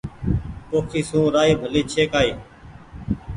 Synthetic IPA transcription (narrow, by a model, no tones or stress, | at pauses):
poːkʰiːsũːɾaːiːbʱəliːt͡ʃʰeːkaːiː